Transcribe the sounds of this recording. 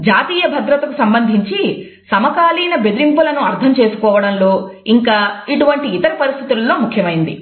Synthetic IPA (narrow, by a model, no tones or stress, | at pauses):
d͡ʒaːt̪iːjɐbʱɐd̪ɾɐt̪ɐkusɐmbɐnd̪ʱiɲt͡ʃi | sɐmɐkaːliːnɐbe̞d̪iɾimpulɐnuɐɾt̪ʰɐmt͡ʃe̞ːsu̥kɔːʋɐɽɐnlo̞ːiŋkaːiʈuʋɐɳʈiːt̪ɐɾipɐɾist̪ʰit̪ulːo̞ːmukʰjɐmɐjind̪ḭ